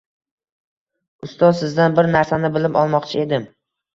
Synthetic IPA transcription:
ʊst̪ɒzsɪzd̪anbɪɾnaɾsanɪbɪlɪpɒlˠmɒqt͡ʃʰɪe̞d̪ɪm

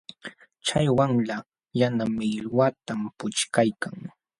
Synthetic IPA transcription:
t͡ʃajwaŋla | janamɪlwat̪ampʊt͡ʃkajkaŋ

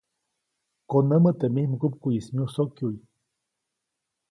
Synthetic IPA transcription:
konəmət̪emihməkup̚kujismiusokjui

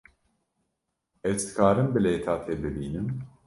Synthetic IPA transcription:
ɛt͡ʃt̪i̥kʰaːɾɯnbilɛt̪ʰaːt̪ʰɛbleliːnim

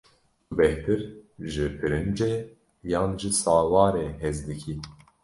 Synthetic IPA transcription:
kɨbɛht̪ɨɾʒɨpʰɨɾɨnd͡ʒe | jaːnʒɨsaːwɑːɾeːɦɛzd̪ɨkʰi

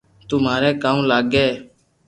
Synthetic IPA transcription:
t̪ʊmaːɾɛːkaːmlaːɡeː

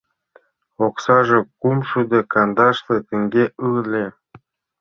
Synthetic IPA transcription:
oksɑʒɤ̆kumʃud̪ĕkɑnd̪ɑʃlet̪ɘ̆ŋɡeɯlʲe

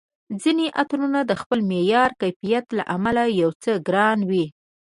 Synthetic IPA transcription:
d͡zineʔat̪ɾunad̪əxpəlmejɑɾkajfijat̪la̰ʔamalajawt͡səɡɾɑnwi

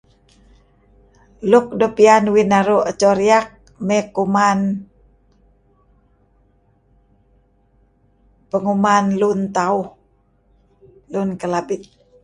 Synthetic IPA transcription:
luk̚dopianwinaɾuʔət͡ʃɔɾiak̚ | mɛkuman | pəŋumanlunt̪auh | lunkəlabit̪̚

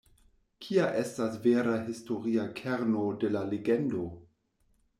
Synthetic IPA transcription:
kʰiaʔestasveɾaɦisto̞ɾiakʰeɾno̞delaleɡendo̞

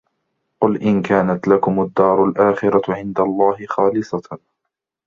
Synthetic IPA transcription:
qʊlʔɪnkaːnat̪lakʊmad̪ːɑːɾˤalʔaːxɪɾaʕɪnd̪alˤːɑːhɪxɑːlɪsˤɑ

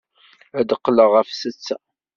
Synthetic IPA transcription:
æd̪əqːləʁəfsət͡sːæ

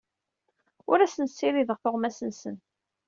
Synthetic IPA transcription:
ʊɾæsənsːiɾiðəʁθʊʁmæsənsən

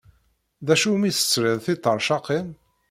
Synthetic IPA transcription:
ðæʃumiθə̥t͡sːɾɪðˤθit̪ˤːəɾˤʃɑqin

